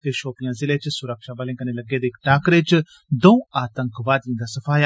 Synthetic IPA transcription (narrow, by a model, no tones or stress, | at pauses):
t̪eʃoːpijãzɪlet͡ʃsʊɾəkʃaːbəlẽŋkɐnelɐɡeːd̪eːkʈaːkɾet͡ʃ | d̪ɐ̃ũaːt̪ə̃ŋkʋaːd̪ĩnd̪asɐfaːj